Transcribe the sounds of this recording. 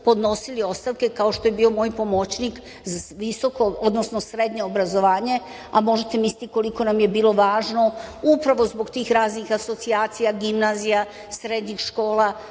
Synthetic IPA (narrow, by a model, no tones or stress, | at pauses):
po̞d̪no̞silio̞st̪aʋke̞kao̞ʃt̪o̞je̞biːo̞mo̞ːjpo̞mo̞t͡ɕnik | zaʋiso̞ko̞od̪nosno̞sɾe̞d̪ɲeobɾazo̞ʋaːɲe̞ | amo̞ʒet̪e̞misit̪iko̞liko̞namje̞biːlˠo̞ʋaːʒno̞upɾaʋo̞zbo̞ɡt̪iːxɾaːznixaso̞t̪siaːt̪sijaɡimnaːzija | sɾed̪ɲixʃko̞ːla